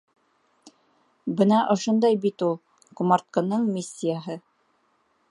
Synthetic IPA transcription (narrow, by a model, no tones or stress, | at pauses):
bɤnɑʔŏʃond̪ɑjbit̪ulˠ | kumɑɾt̪̚kɤ̆nɤɴmʲisʲːijaɦɤ